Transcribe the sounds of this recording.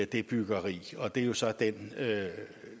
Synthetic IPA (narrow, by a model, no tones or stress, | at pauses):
d̥e̝b̥yɡ̥ɐʁḭːɒ̽d̥e̝jo̝sɒ̽d̥en